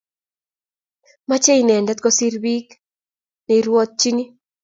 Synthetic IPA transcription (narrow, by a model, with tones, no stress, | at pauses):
ma˦t͡ʃe˦i˨nɛ˨ndɛ˦t̪̚kɔ˦si˦ɾbi˦k | nɛ˨iɾwɔ˦t̪̚t͡ʃi˦ni˦